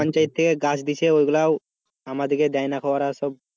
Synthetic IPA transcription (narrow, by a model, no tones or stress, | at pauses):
ɔnt͡ɕajt̪̚ʰːekeɡasʰd̪it͡ɕʰeojɡulaw | amad̪eked̪ɛajnakʰɔwaɾasɔb̚